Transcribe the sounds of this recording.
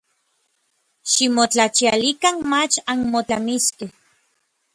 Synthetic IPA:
ʃimot͡ɬat͡ʃialikanmat͡ʃanmot͡ɬamiske

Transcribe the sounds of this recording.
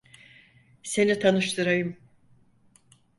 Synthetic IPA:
se̞nit̪ʰanɯʃt̪ʰɯɾajɯm

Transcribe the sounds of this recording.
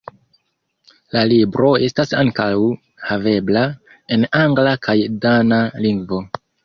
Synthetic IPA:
lalibɾo̞e̞stasaŋkaw | have̞bla | e̞naŋɡlakʰajdanaliŋɡvo̞

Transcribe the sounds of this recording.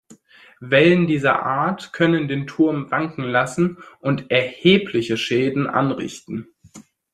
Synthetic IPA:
vɛləndiːzɐ̰ʔaːɐtkʰœnəndeːntʰʊɐmvaŋkŋ̩lasn̩ʔʊntʔɛɐheːpʰlɪçəʃɛːdn̩ʔa̰nʁɪ̰çtn̩

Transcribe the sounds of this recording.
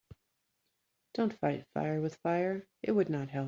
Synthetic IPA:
d̥õʊ̃ntfaɪtfa̰ɪə˞wɨð̥faɪə˞ʔɨt̚wɨdⁿnət̚ɦɛlˠ

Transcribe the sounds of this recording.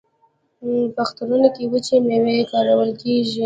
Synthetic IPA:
paxt̪anunokewət͡ʃemewekɑɾawəlkeʒi

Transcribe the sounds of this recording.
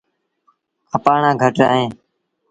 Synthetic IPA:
əpaːɳãːɡʱəʈɾəːɦẽː

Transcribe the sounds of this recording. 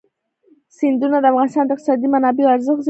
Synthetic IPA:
sɪnd̪unad̪afʁɑnst̪ɑnd̪əɪqt̪ɪsɑd̪imanɑbiaɾzɨxz

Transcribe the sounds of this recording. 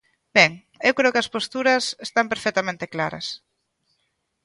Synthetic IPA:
b̥ɛŋ | ewkɾeʊkɪɐspost̪uɾɐsest̪ampeɾfɛk̚t̪amẽnt̪eklaɾɐ̰s

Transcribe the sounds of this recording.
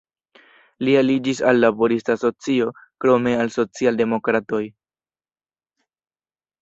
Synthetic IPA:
lialid͡ʒisalːabo̞ɾistaso̞t͡sio̞kɾo̞me̞also̞t͡sialde̞mo̞kɾato̞j

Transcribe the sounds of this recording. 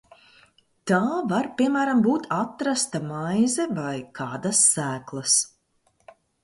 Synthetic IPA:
t̪aːvaɾpʲiɛmæːɾambuːt̪ʰat̪ɾast̪amajzɛvajkʰaːd̪asːæːklˠɐs

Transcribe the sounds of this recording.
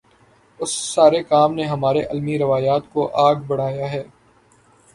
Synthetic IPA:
ʊsːaːɾekaːmneɦɐmaːɾeʔɐlmiɾɐʋaːjaːt̪koʔaːɡbɐɽ̤aːjaɦɛː

